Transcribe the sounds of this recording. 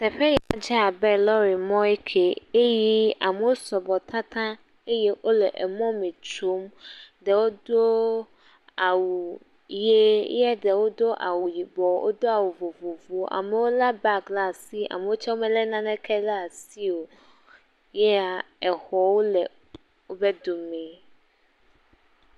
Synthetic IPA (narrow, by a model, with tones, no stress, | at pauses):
sɛ˨ɸɛ˦jɛ˨a̰˨d͡ʒɛ˦a˨bɛ˦lɔ˦ɾi˨mɔ̃˦i˦kʰe˨e˦ji˦a˨me˨wo˦sɔ˨bɔ˨t̪ʰã˦t̪ʰã˦ | e˦jɛ˦ʔo˦lɛ˨ʔɛ˨mɔ̃˦mẽ˨t͡ʃo˦mdɛ˨wo˦d̪o˦ | a˨wu˨ | je˦jɛ˦dɛ˨wo˦d̪o˦ʔa˨wu˨ji˨bɔ˨wʔo̰˦d̪o˦a˨wu˨vo˨vo˨vo˦ʔa̰˨mɛ˨wo˦la˦ba˦kla˦˨si˦a̰˨me˨wo˦t͡ʃɛ˦wo˦mɛ̃˨lɛ˦nã˦nɛ̃˦kʰɛ˦la˦˨si˦wo˨ | jɛ˦a˨ɛ˨xɔ˨wo˦lɛ˨ | wo˦be˦d̪o˨mɛ̃˨